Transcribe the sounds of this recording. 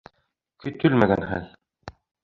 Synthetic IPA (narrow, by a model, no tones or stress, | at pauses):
kɵt̪ɵlmæɡænhæ̰ð